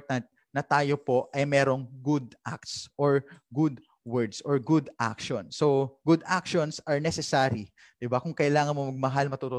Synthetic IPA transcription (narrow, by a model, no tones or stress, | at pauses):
t̪ɐnt̪̚ | nɐt̪aːjo̞po̞ʔʔɐjmɛːɾo̞ŋɡud̪̚ʔa̰k̚t̪sʔoɹɡud̪ | wɛɹd̪sʔɔɹɡud̪ʔa̰kʃonsoɡud̪ak̚ʃonsɐɹnɛsɛsaːɾi | d̪̥ɪbakʊŋkɐʔɪlaːŋɐnmomɐɡ̚mɐɦalmɐt̪ot̪o